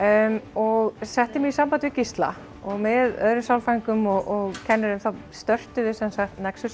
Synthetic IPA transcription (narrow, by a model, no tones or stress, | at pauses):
ɔɣsɛht̪ɪmiisampant̪vicist̪la̰ | ɔɣmɪðœ̰ðɾʏmsawlfajŋkʏmɔɣʔɔɣcʰɛnːɪɾʏmθast̪œr̥t̪ʏðɪsɛnsaxt̪nɛksʏ